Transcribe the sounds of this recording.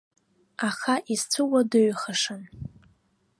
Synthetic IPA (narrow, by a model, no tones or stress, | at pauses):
aχaʔizt͡sʷʰɨwadɨɥχaʂan